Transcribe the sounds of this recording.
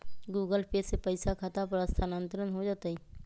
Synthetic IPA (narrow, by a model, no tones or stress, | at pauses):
ɡuːɡəlpeːsepəɪsakʰat̪ap̬ɾəst̪ʰanə̃nt̪ɾənɦod͡ʒaːt̪aɦi